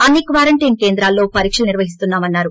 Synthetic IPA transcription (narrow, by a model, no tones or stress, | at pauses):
ɐnːikʋaːɾɐɳʈinke̞ːnd̪ɾaːlːo̞ːpɐɾiːkʂɐlniɾʋɐɦist̪unːaːmɐnːaːɾu